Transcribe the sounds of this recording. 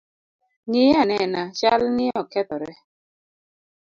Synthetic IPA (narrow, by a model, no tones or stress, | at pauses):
ɲianɛnaʃalnɪɔkɛt̪ɔɾɛ